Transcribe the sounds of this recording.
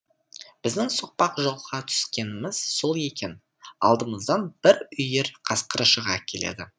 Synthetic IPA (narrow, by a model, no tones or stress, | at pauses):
b̥ɪzd̪ɪŋsoq̚pɑqʒo̞lˠʁɑt̪ʰʏ̥skʲe̞nɪmɪz̥so̞lˠe̞kʲe̞n | ɑ̰lˠd̪əməzd̪ɑnb̥ɪɾʏje̞ɾqʰɑsqəɾəʃəʁɑkʲʰe̞le̞̰d̪ɪ